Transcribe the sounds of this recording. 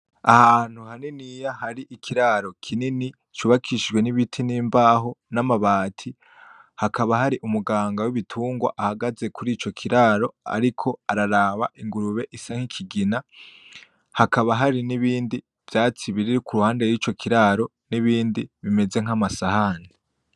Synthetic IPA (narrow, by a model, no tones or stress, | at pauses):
ahaːn̥huhaninijahaɾiʔikʰiɾaːɾo̞kʰinini | t͡ʃuβakʰiʃʒɡwe̞niβitʰiniːmbaːɦo̞namaβaːtʰi | hakaβaɦaɾiʔumuɡaːŋɡawiβitʰuːŋɡwa̰ʔahaɡaze̞kuɾiːt͡ʃo̞kʰiɾaːɾo̞a̰ɾikʰo̞aɾaɾaːβa̰ʔiŋɡuɾuβe̞ʔisaŋ̥hikʰiɡina | hakaβaɦaɾiniβiːndi | v̥jaːt͡siβiɾiɾikʰuɾuhaːnde̞jwiːt͡ʃo̞kʰiɾaːɾo̞ | niβiːndiβime̞ze̞ŋ̥amasahani